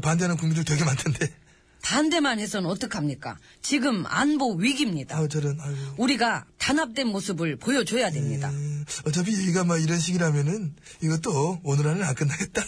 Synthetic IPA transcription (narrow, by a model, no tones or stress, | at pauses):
pandeɦanɯnkuŋmindɯɭtwekʰemantʰende̞ | tande̞manɦe̞sʰʌnʌt͈ʌkʰamɲik͈a̰ | t͡ɕiɡɯma̰nboɥiɡimɲidat͡ɕʌɾɯnuɾiɡatanap̚t͈we̞nmosʰɯbɯɭpojʌd͡ʑojadwe̞mɲida̰ʌt͡ɕ͈ʌpʰijeɡiɡamaiɾʌnɕ̬ʰiɡiɾamjʌnɯniɡʌt͈oːnɯɾanɯnank͈ɯnːaɡe̞t̚t͈a